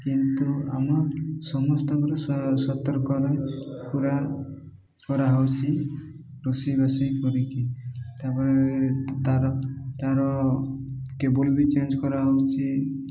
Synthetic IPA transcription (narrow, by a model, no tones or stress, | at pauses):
kint̪ua̰mɔsɔmɔst̪ɔbɔɾɔssɔt̪ɔɾkɔɾɔjpuɾa | kɔɾaɦɔwt͡ʃʰi | ɾusibasejpʰɔɾikit̪apɔɾet̪aɾɔt̪aɾɔ | kebolbit͡ʃend͡ʒkɔɾaɦɔwt͡ʃʰi